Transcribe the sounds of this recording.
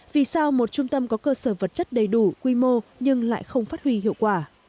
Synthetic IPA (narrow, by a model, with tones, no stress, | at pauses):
vi˨˩saː˧wmo˨˩t̚t͡ɕʊ˧ŋ͡mt̪ə˧mkɔ˨˦kəː˧səː˧˩və˨˩t̚t͡ɕə˦˥t̚ɗə˨˩jɗu˧˩kwi˧mo˧ɲɨ˧ŋla̰ː˧˨jxə˧wŋ͡mfaː˦˥t̚hwi˧hḭ˧˨əwkwaː˧˩